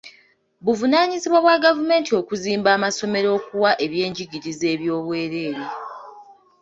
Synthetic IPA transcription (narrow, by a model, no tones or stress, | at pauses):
βuvunaːɲiziβwaβwaɡavume̞ːntʰio̞kuziːmbaːmaso̞me̞ɾo̞ːkuwaʔe̞βje̞ːɲɟiɡiɾize̞ːβjo̞ːβwe̞ːɾe̞ːɾe